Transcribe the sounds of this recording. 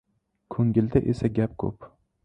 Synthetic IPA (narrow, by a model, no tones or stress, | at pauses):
kʰɵŋɡʲɪld̪aʔesaɡʲap̚kʰɵ̰p